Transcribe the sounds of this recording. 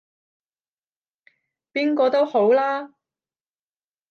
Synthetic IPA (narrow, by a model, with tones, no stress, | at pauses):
piː˥nkɔː˧t̪o˥who˨˥wlaː˥